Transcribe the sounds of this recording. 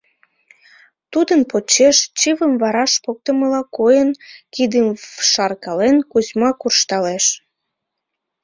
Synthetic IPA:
t̪ud̪ənpot͡ɕːeʃt͡ɕiβəmvɑɾɑʃpok̚t̪əməlɑkojənkid̪əmʃɑrkɑlenkuzmɑkurʃt̪ɑleʃ

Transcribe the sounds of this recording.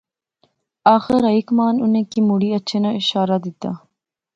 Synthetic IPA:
aːxɪɾɐikmaːnʊnẽːkimʊɽiɐtːʃʰeːnãɪʃaːɾad̪ɪt̪aː

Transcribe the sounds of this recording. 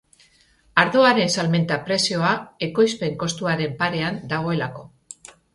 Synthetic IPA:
aɾðoaɾe̞nsalme̞nt̪apɾe̞sio̞ae̞ko̞jspe̞ŋko̞st̪uaɾe̞mpaɾe̞and̪aɣ̞o̞e̞lako̞

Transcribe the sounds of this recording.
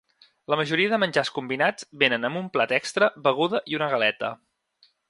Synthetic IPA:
ləməʒuɾiəðəmənʲʒaskumbinad͡zbenənəmumplat̪ɛkst̪ɾəβəɣ̞uðəʔiunəɣəlɛt̪ə̰

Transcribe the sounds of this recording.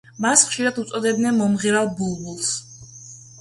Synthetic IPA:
masχʃiɾad̪ut̪sʼɔd̪ɛbd̪nɛnmɔmʁiɾalˠbulˠbulˠs

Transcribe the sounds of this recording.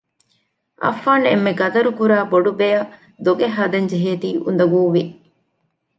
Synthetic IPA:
ʔɐ̰fːaːnḛmːeɡɐd̪ɐɾukuɾaːboɖubejɐ | d̪oɡeɦːɐd̪ɐɲd͡ʒeɦeːt̪iːʔṵnd̪ɐɡuːʋi

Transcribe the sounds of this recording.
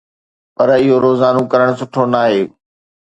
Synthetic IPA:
pɐɾɪɦoɾoːzaːnõkɐɾəɽ̃sʊʈʰonaːɦeː

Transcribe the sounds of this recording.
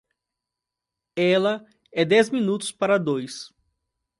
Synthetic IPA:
ɛlɐ | ɛd̪ɛzmĩnut̪ʊ̥spaɾɐd̪ojs

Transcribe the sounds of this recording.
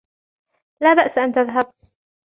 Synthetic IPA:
laːbaʔsʔant̪aðɦab̚

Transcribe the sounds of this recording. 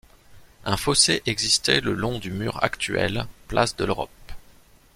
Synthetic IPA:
ɛ̃foseʔɛɡzist̪ɛləlɔ̃d̪ymyʁa̰kt̪ɥɛ̰lplasd̪əløʁɔ̰p̚

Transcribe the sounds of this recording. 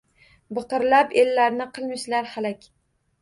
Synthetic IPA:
bɨqɨɾlapelːaɾnɪqʰɨlˠmɪʃlaɾhalakʲ

